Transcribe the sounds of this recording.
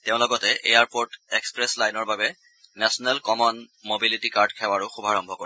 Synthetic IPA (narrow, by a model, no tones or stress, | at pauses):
teʊ̃lɔɡɔtɛʔejaɹpoɹtekspɹɛslajnɔɹbabɛ | nɛsɔnɛlkɔmɔnmobilitikaɹdkʰɛwaɹʊxubʱaɹɔmbʱɔkoɹi